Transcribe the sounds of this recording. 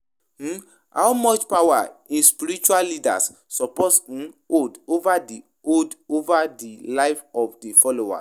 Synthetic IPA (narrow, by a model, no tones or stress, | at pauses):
ha̰ʊmɔt͡ʃpawa̰ĩspiɾit͡ʃuallida̰s | sɔpɔt̩odovadi | odovadilaɪfɔfdifɔloa̰